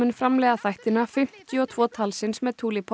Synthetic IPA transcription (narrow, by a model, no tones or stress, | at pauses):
ʏnfɾamlɛɣaθajht̪ɪnafɪm̥t̪jʏɔt̪ʰv̥ɔːt̪ʰalsɪnsmɛðt̪ʰuːlipʰɔ